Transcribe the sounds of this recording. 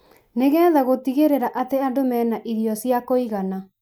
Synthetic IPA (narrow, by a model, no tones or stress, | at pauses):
neɣɛːðaɣotiɣeɾeɾaʔateandomɛːnaʔiðiɔsiakoiɣana